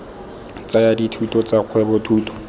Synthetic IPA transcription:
t͡sajaditʰutʼɔt͡sak͡xʰwɛbʊtʰuːtʼɔ̥

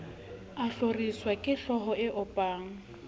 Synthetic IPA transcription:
aɬoriswakʼɪɬɔɦɔɪʔʊpʼaːŋ̩

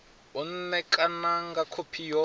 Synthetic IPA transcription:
un̩nɛkʼanaŋɡakʰopʰijɔ

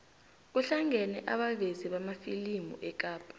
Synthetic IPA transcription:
kuɬaŋʱɛnɛʔaɓaveziɓamafilimṵʔɛk̬ʼaːpʼḁ

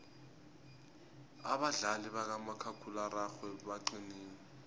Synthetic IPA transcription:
a̰ɓaɮaliɓak̬amakʰakʰularaxwɛɓaǃiniːnɛ

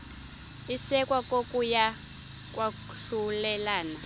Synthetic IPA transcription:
isɛkʼwakʼokʼuja | kʼwa | ɬulɛlaːna

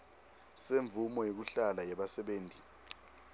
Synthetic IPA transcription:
seɱb̪vʱumɔjek̬uɬalajɛɓasɛɓeːnti

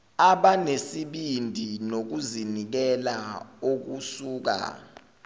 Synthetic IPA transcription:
aɓanesiɓindʱinok̬uzinik̬ɛlaok̬usuːk̬a̰

